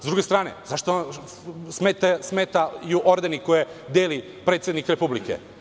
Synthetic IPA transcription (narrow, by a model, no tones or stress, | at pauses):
zd̪ɾuɡest̪ɾaːnḛzaʃt̪o | smet̪esmet̪ajuʔoɾd̪enikojed̪eːli | pɾet̪sjed̪nikɾepublikḛ